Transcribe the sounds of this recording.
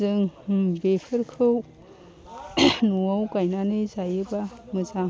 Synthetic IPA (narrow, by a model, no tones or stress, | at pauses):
ɯŋbekʰɯɾkʰɯw | nuawkajnanɯjzajɯbamɯza